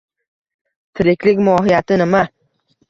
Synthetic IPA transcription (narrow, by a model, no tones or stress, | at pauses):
t̪ʰɪɾɪkʲlɪkʲmɒːɦɪjat̪ʰɪnɪma